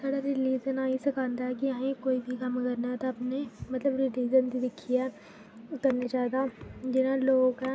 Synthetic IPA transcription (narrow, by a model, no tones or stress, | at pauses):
saːɽaɾɪliːzənaːisɐkʰãːnd̪aɦɛkiãːẽkoːibʱikɐmɐkɐɾnaɦɛt̪oɐpnemɐt̪ləbɾɪliːzənd̪ʱid̪ɪkʰia | ʊt̪əɾnad͡ʒaːd̪ad͡ʒɪnaloːɡõka